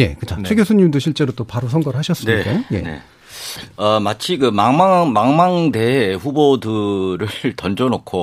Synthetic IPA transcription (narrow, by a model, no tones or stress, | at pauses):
je̞̰kɯt͡ɕʰat͡ɕʰeɡjosʰuɲimdɯɕʰiɭt͡ɕ͈e̞ɾot͈opaɾosʰʌŋɡʌɾɯɭɦaɕʰʌs͈nɲik͈a̰jojḛnḛ | ʌmat͡ɕʰikɯmaŋmamaŋmaŋde̞ɦeɸubodɯɾɯɭɭtʌnd͡ʑʌnokʰo